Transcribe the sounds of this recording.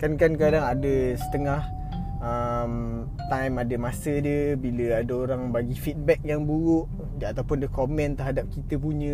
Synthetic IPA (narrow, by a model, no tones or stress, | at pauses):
kankankadaŋadəsə̥t̪əŋah | əm | t̪ajmadəmasədəbiləadəoɾaŋbaɡifit̪̚bɛk̚jaŋbuɣuʔ | at̪awpʊndəkomɛ̃nt̪əɾɦadap̚kit̪əp̬uɲə̃